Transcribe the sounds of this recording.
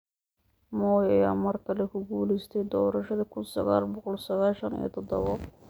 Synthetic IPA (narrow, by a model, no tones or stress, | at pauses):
mɔːjɐjaːmɐrkʰɐlɛkʰʊɡuːlɪst̪ʰɛjd̪ɔːɾɐʃɐðɐkʰʊnsɐ̰ɣaːlbɔqɔlsɐɣaːlʃɐnḭjɔ̰t̪ʰɔd̪ɔ̰βɔ